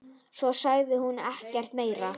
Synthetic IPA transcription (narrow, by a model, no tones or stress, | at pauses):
sɔsaɣðɪhunɛhcɛr̥t̪meːjɾa